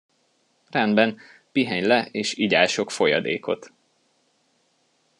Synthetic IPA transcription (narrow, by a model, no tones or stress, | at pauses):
rɛnd̪bɛn | piɦɛɲlɛeːʃiɟaːʃo̞kfo̞jɒ̰d̪ḛːko̞̰t̪